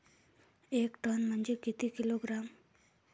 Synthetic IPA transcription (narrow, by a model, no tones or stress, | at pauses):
ekʈɔnmənd͡ʒekit̪ikiloɡɾam